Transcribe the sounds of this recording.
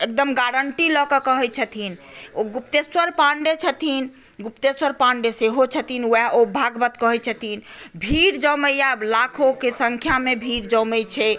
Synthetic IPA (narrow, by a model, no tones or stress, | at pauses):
ek̚d̪əmɡaɽəɳʈilɔkɔkəɦɛt͡ʃʰət̪ʰinoɡupt̪eswəɾpãɳɖet͡ʃʰət̪in | ɡupt̪eswəɾpãɳɖeseɦot͡ʃʰət̪inwɛobʱaɡbət̪kəɦɛt͡ʃʰət̪inbʱiɾd͡ʒə̃məjablakʰokesəŋkʰjamebʱiɾd͡ʒə̃mɛjt͡ʃʰɛ